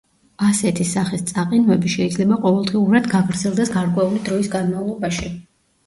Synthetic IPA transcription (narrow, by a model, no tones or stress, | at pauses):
asɛt̪ʰisaχist̪sʼaqʼinvɛbiʃɛid̪zlɛbaqʼɔvɛlˠd̪ʁiuɾad̪ɡakʰɾd̪zɛlˠd̪ɛsɡaɾkʼwɛulid̪ɾɔisɡanmavlˠɔbaʃi